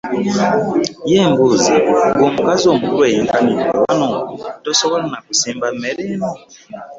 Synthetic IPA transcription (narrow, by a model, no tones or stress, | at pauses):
jɛmbuziɡomukazomuɾwɛjiŋkania̰wa̰nɔtɔsɔkɔlɔnaku̥simbamɛɾɛnɔ